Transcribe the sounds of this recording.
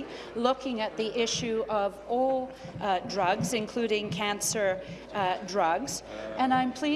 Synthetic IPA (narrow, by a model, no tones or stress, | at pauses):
lʊkɪ̃ŋɨt̪̚ðiʔɪʃʉʔʌvɔlˠ | dɹʌɡzɨ̃nkʰl̥ʉɾɪ̃ŋkʰæ̃nsə˞ | dɹʌɡz̥ɨ̃nãɪ̃mpʰl̥i